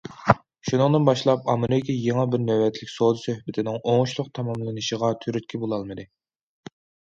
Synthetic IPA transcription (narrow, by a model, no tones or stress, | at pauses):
ʃunɨŋd̪ɨnbɑʃlˠɑp̚ɑmɨɾɪkʲijeŋɑbɪɾnøwɛt̪ʰlɪkʲsod̪ɨsøhbɪt̪ʰɪnɪŋoŋʊʃlˠʊqt̪ʰɑmɑmlˠɨnɨʃəʁɑt̪ʰyɾyt̪̚kʲʰibolˠɑlˠmɨd̪ɨ